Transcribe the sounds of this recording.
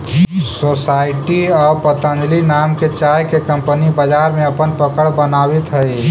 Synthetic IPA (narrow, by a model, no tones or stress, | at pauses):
sosaːɪʈiɔːɾpət̪ə̃nd͡ʒ̪linaːmket͡ʃaːjkekə̃mpənibəd͡ʒaːɾmẽɐpənpəkəɽbənaːwit̪ɦəi